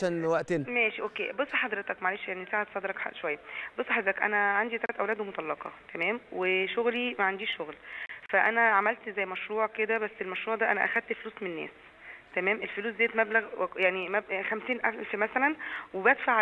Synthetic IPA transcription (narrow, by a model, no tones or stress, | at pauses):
ænwæʔt̪enmæːʃiʔokːḛːbosˤːɑħɑd̪ɾet̪ɑkmaʕaleːʃjaʕnisaːʕat̪sˤɑd̪eɾɑkʃowæjːæbosˤːɑħɑd̪ɾet̪ɑkʔæ̰næʕand̪it̪ælæt̪ʔæwlæːd̪wemot̪ˤɑlːɑqɑ̰t̪æmæːmweʃoɣlimæʕand̪iːʃːoɣlfæʔænæʕamælt̪zæjːmæʃɾuːʕked̪æbæsːelmæʃɾuːʕd̪æːʔænæʔæ̰xæd̪̚t̪fluːsmenenːæ̰ːs | t̪æmæːmʔelfoluːszeːt̪mæblæɣjaʕnimæxæmsiːnʔæfmæsælænwebæd̪faʕ